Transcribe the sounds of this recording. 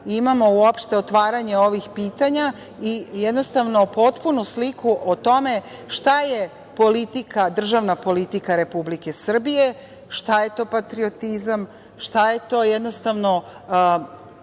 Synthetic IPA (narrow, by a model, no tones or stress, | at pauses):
imamo̞uo̞pʃt̪e̞ot̪ʋaːɾaɲe̞o̞ʋixpiːt̪aɲa | ijed̪nost̪aʋno̞po̞t̪punuslikuʔot̪o̞me̞ʃt̪aje̞ | po̞lit̪ikad̪r̩ʒaʋnapo̞lit̪ikaɾe̞publike̞sr̩bije̞ | ʃt̪aje̞t̪o̞ːpat̪ɾio̞t̪izam | ʃt̪aje̞t̪o̞ːjed̪nost̪aʋno̞